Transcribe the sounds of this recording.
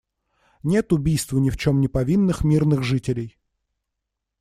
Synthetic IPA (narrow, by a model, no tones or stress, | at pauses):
nʲe̞t̪ʊbʲijst̪vənʲɪft͡ɕo̞mnʲɪpɐvʲinːɨxmʲirnɨɣʐɨtʲɪlʲɪj